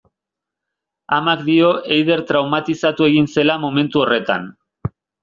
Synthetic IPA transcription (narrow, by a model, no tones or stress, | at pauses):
amakd̪io̞ʔejð̞e̞ɾt̪ɾawmat̪isat̪ue̞ɣinse̞lamo̞me̞nt̪uo̞re̞t̪a̰n